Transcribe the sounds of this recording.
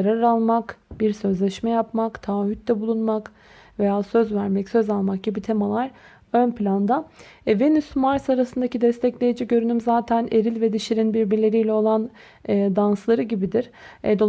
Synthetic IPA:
ɾaɾalˠmakbiɾsø̞zlʲɛʃmɛjapmakt̪ʰaːhyt̪̚d̪ɛbulˠunmak | ve̞jaːsø̞zvæɾmɛcsø̞zalˠmak̚ɟibit̪ʰemalˠaɾ | ønpʰlʲand̪a | venysmaɾsaɾasɯnd̪acid̪ɛst̪ʰɛclʲe̞jid͡ʒiɟø̞ɾynymzaːt̪ʰæneɾilʲvɛd̪iʃiɾinbiɾbiɾlʲe̞ɾijlʲɛo̞lˠanː | d̪anslˠaɾɯɟibid̪iɾ̥ɛd̪o

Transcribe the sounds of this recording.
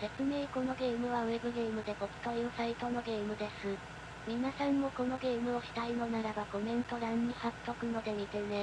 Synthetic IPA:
se̞t͡sɨme̞ːko̞no̞ɡe̞ːmɯ̟β̞ae̞bɯ̟ɡe̞ːmɯ̟d̪e̞bo̞kk̪oisait̪o̞no̞ɡe̞ːmɯ̟d̪e̞sɨ | mʲinasãnːo̞ko̞no̞ɡe̞ːmɯ̟oçi̥t̪aino̞naɾabaɡo̞mẽ̞nt̪o̞ɾãɲ̟ːihak̪ːokɯ̟no̞d̪e̞mʲit̪ene

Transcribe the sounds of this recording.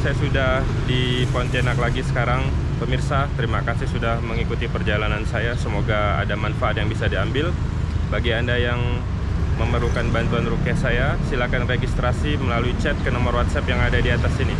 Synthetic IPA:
sajasudah | dipɔnt͡ʃ̪enaklaɡisə̥kaɾaŋ | pəmirsat̪əɾimakasɪhsudahməŋikut̪ipərd͡ʒalanansajasəmoɡaa̰damanfaat̪̚jaŋbisadiambɪl | baɡiandajaŋ | məməɾukanbant̪uanrukiahsajasilakanreɡist̪ɾasiməlaluit͡ʃɛt̪̚kənomɔrwat̪sɛpjaŋadadiat̪asini

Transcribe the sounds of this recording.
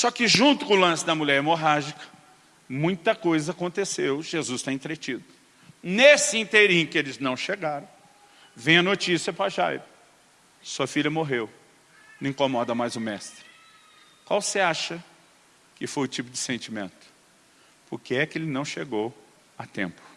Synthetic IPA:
sɔkɪʒũnt̪ʊ̥kõʊlɐ̃sɪd̪ɐmuʎɛɾmoɦaʒikɐ̥ | mũj̃t̪ɐkojzɐakõnt̪esewʒ̥ezust̪ãĩt̪ɾet͡ʃid̪ʊ | nesɪĩt̪eɾĩɲʊkɪelɪznɐ̃w̃ʃeɡaɾɐ̃w̃ | vẽj̃ɐnot͡ʃisiɐpɾɐʒa̰jɾʊ | suɐfiʎʲɐmoɦew | ñĩkõmɔd̪ɐmajzʊmɛst̪ɾɪ | kwawseaʃɐ | kɪfojʊt͡ʃipʊd͡ʒɪsẽnt͡ʃimḛ̃nt̪ʊ̥ | pʊɾkɪɛkɪelɪnɐ̃w̃ʃeɡow | ɐt̪ḛ̃mpʊ̥

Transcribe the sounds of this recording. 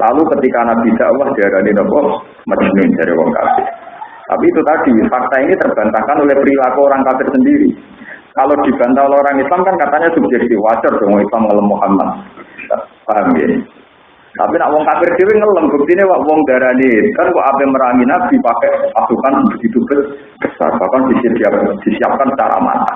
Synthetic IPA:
lalukət̪ikanaʔb̪̥id̪̥aʔwahd̥aɾaninɔkɔ | məd͡ʒnund̥aɾḭwɔ̰ŋka̰fɪr | t̪a̰piːt̪ut̪ad̪̥ifak̚t̪ainit̪ərb̥ant̪akanolɪhpɾilaɡoːɾaŋkafɪrsəndiɾḭ | kalod̪̥i̤b̥a̤nt̪aolɛɦoɾaŋislamkankat̪aɲasub̥̚d͡ʒɛk̚t̪ɪfwat͡ʃərd̪̥oŋɔŋislamŋələmːuhama̰t̪̚bisa̰pamɪ̰n | t̪a̰pinaʔwɔŋkafɪrd̪̥ewɪŋələmb̥ək̚t̪inewaʔwɔŋd̪̥a̤ɾanet̪ankɔʔapɛməɾaŋinad̪̥i̤pakɛʔpasukanb̥əb̥ə̥t̪̚it̪ub̥ət̪̚ | b̥əsa̰rb̥akɔnb̥isd̪̥iap̚d̪̥i̤siap̚kansə̥t͡ʃa̰ɾa̰ma̰t̪a

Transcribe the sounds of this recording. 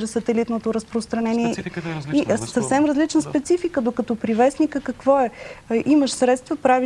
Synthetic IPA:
ʒɛsət̪ɛlit̪not̪oɾəspɾost̪ɾɐnɛniɛisɐfsɛmɾəzlit͡ʃnəspɛt̪sifikəd̪okɐt̪ɔpɾivɛsnikəkɐkvɔɛʔiməʃsɾɛt̪st̪vəpɾavi

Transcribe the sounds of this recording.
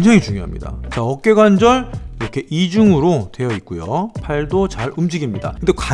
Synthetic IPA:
nd͡ʑʌŋit͡ɕuŋjoɦa̰mɲḭda̰t͡ɕaʌk͈e̞ɡwand͡ʑʌɭiɾʌkʰe̞ʔid͡ʑuŋɯɾotwe̞jʌik̚k͈ujo̰pʰaɭdot͡ɕaɾumd͡ʑiɡimɲida̰kɯndekwa

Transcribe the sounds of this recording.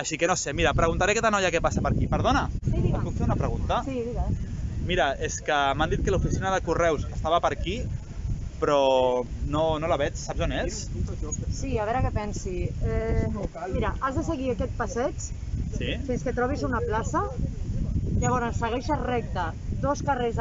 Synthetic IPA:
aʃikənosemiɾɐpɾəɣunt̪aɾekɛt̪anɔjakɛpasɐpəɾkipəɾðonɐkukfeunɐpɾəɣunt̪ɐsiðiɾamiɾəeskəmand̪it̪̚kəlufisinəðəkurɛwzəst̪aβəpəɾki | pɾɔnonolaβɛt͡ʃsabzones | siaβɛɾəkɛpɛnsiɛ | miɾaʔazðəs̬əɣiakɛt̪̚pasɛt͡ʃ | sifinskət̪ɾɔβ̞izunɐplasɐ | ʎaβ̞ɔɾənsːəɣɛʃarɛk̚t̪əd̪oskarez

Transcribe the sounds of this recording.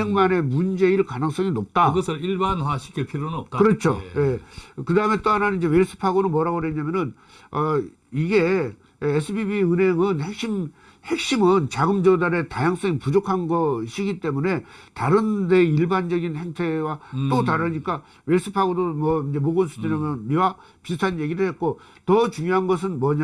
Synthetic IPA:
eŋmane̞mund͡ʑe̞iɭkanɯŋs͈ʌŋinop̚t͈aɯɡʌsʰɯɾiɭbanwaɕʰi̥ɡepʰiɾonnʌp̚tkɯɾʌt͡ɕʰo̰je̞kɯdaɯme̞t͈oɦananinɲd͡ʑe̞weɭs͈ɯ̥pʰaɡonɯnmwʌɾaɡoɾeɲamjʌnɯn | ʌ | iɡe̞ː | sʰɯbibiɯnɦe̞ŋɯnhe̞k̚ɕ͈im | he̞k̚ɕ͈imɯnt͡ɕaɡɯmd͡ʑʌdaɾe̞tajaŋs͈ʌŋipud͡ʑokʰanɡʌɕʰiɡit͈e̞mune̞taɾɯnde̞iɭband͡ʑʌɡinhe̞ŋtʰe̞wat͈otaɾɯɲik͈a | weɭs͈ʰɯpʰaɡodomʌind͡ʑe̞moɡʌnsʰɯ̥teɲamʌnmiwa | pistʰanje̞ɡiɾɯɭhe̞t̚k͈o | tʌt͡ɕuŋjoɦanɡʌs̬ʰɯnmwʌɲa

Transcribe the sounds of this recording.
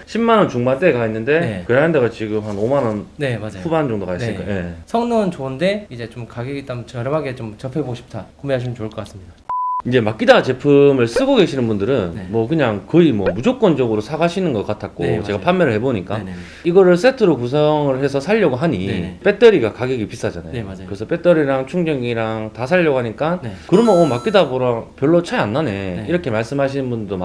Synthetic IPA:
ɕʰimmanʌnt͡ɕuŋmant͈eɡainːɯnde̞kɯɾeɯndeɣat͡ɕiɡɯmɦanomanʌnnemaɸuband͡ʑʌŋdokais͈ɯk͈aje̞sʰʌŋnɯnt͡ɕoɯnde̞id͡ʑe̞t͡ɕomkaɡiit͈amt͡ɕʌɾʌmaɡet͡ɕomt͡ɕʌpʰeboɕʰi̥p̚tʰakomeɦaɕʰimɯnt͡ɕoɯɭk͈ʌk͈as͈ɯmɲidaind͡ʑe̞mak͈idat͡ɕe̞pʰɯmɯɭs͈ɯɡoɡe̞ɕʰinɯnbundɯɾɯnmwʌkɯɲaŋkɯimwʌmud͡ʑok͈ʌnd͡ʑʌɡɯɾosʰaɡaɕʰinɯnɡʌk͈atʰak̚k͈o̰t͡ɕe̞ɡapʰanmːe̞ɾɯɭhɦe̞boɲik͈a | iɡʌɾɯɭs͈e̞tʰɯɾokusʰʌŋɯɭhe̞sʰʌsʰaʎːʌɡoɦaɲḭp͈e̞t͈ʌɾiɡakaɡeɡipis͈ad͡ʑana̰jokɯɾesʰʌp͈e̞t͈ʌɾiɾaŋt͡ɕʰuŋd͡ʑʌŋiɾaŋtasʰaʎːʌɡoɦaɲik͈ankɯɾʌmonomak͈idaboɾapjʌɭːot͡ɕʰaanːane̞iɾʌkʰe̞maɭs͈ɯmɦaɕʰinɯnbundɯdoa

